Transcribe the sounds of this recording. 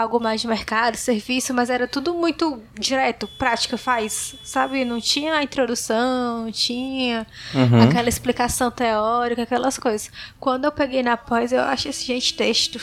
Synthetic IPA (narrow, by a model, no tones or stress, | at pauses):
awɡʊlad͡ʒɪmeɾkad̪ʊseɾvisʊmɐzɛɾɐt̪ud̪ʊmũj̃t̪ʊd͡ʒiɾɛt̪ʊpɾat͡ʃi̥kɐfajsː | abɪnɐ̃w̃t͡ʃĩɲɐɐĩt̪ɾod̪usɐ̃w̃nɐ̃w̃t͡ʃĩɲɐakɛlɐisplikasɐ̃w̃t̪eɔɾikɐakɛlɐskojzɐskwɐ̃nd̪ʊewpeɡejnɐpɔjzewa̰ʃʊʊesɪʒẽnt͡ʃɪ̥t̪eʃt̪ʊ